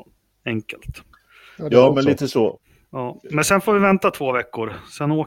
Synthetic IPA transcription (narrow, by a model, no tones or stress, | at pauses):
ɛŋkə̰lt̪ | jɑːmɛnliːt̪əsɔ | jɑːmɛnsɛnfoːɾvɪvɛnt̪at̪ʰv̥oːvɛkːʊɾsɛnoː